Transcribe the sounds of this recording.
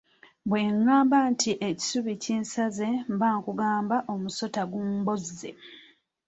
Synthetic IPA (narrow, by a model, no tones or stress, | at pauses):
bwe̞ːŋːaːmbantʰiʔeci̥suβiciːnsaze̞mbaːŋkuɡaːmbaʔomuso̞taɡuːmbo̞zːḛ